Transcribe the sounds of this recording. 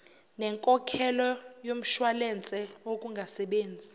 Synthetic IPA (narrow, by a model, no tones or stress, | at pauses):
nɛŋkʼɔkʰɛlɔjom̩ʃwalɛnt͡sʼɛokʼuŋɡʱasɛɓeːnd͡zʱi